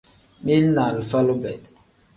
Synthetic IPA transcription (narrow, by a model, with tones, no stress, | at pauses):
mi˦lna˨lfa˦lo˦bɛ˨